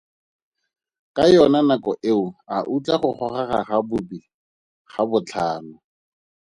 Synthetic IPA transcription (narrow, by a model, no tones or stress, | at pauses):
kʼajɔnanakɔʔeʊaʔut͡ɬʼaχʊχɔχaχaχabʊbi | χabʊt͡ɬʰaːnʊ